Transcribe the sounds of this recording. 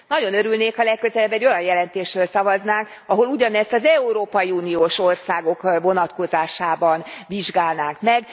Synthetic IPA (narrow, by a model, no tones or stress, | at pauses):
nɒɟo̞nøɾylneːkhɒlɛkːøzɛlɛbːɛɟːo̞jɒnjɛlɛnt̪eːʃrøːlsɒvɒznaːŋk | ɒɦo̞luɟɒnɛst̪ɒzɛuɾoːpɒjiuːnioːʃo̞rsaːɡo̞kvo̞nɒt̪ko̞zaːʃaːbɒnviʒɡaːlnaːŋkmɛɡ